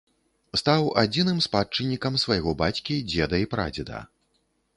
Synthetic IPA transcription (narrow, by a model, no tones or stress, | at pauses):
st̪awad͡zʲinɨmspat͡ʂɨnʲːikɐmsvajɣɔbat͡sʲkʲid͡zʲɛd̪ɐipɾa̰d͡zʲɛd̪ɐ̰